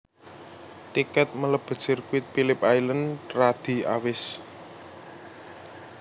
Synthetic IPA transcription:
t̪ikɛt̪̚mələb̥ə̤̥t͡ʃɪrkuɪt̪̚pilɪp̚ajlənrad̪̥i̤a̰wɪs

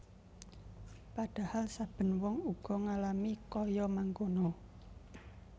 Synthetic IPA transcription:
paɖ̥a̤halsab̥ə̤nwɔŋuɡ̥ɔ̤ŋalamikɔjɔmaŋkono

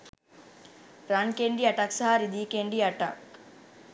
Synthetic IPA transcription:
ɾankeɳɖiɐʈaksaɦaɾid̪iːkeɳɖiɐʈa̰k

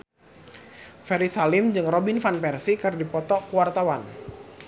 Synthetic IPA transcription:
fɛɾisalɪmd͡ʒɨŋrɔbinfanpɛrsikɨrdipɔt̪ɔkuwart̪awan

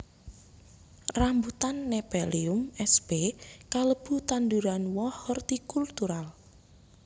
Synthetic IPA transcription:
rambut̪anːepeliʊmɛsb̥ekaləb̥ut̪and̪uɾanwɔhɔrt̪ikult̪uɾal

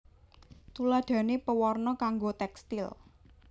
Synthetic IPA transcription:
t̪ulad̪̥ä̤nepəwɔrnɔkaŋɡot̪ɛkst̪ɪl

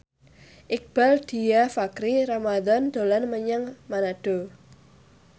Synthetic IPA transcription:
ʔɪk̚b̥ald̪̥i̤afakɾiɾamad̪ɔnd̪̥o̤lanməɲəŋmanaɖ̥o

